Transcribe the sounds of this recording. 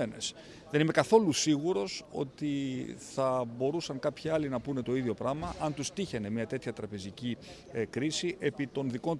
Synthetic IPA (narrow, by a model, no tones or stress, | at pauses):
ene̞̰s | ðe̞nime̞kɐθo̞lusiɣuɾo̞so̞̰t̪iθɐbo̞ɾusɐŋkɐpçiɐlinɐpune̞t̪o̞iðʝo̞pɾɐmɐʔɐnt̪ust̪içene̞mɲɐt̪e̞t̪çɐt̪ɾɐpe̞zici | kɾisiʔe̞pit̪o̞nðiko̞n